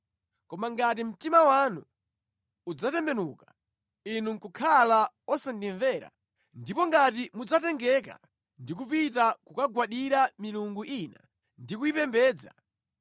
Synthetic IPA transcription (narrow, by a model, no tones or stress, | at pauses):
kɔmaŋɡat̬im̩timawanuː | d͡zatɛmbɛnuːka | inuŋkukʰala | ɔsandiɱvɛːɾa̰ | ndipɔŋɡat̬imud͡zatɛŋɡɛka̰ | ndik̬up̬itakukaɡwaɗiɾamiluŋɡuʔina̰ | ndikuipɛmbɛːd͡za̰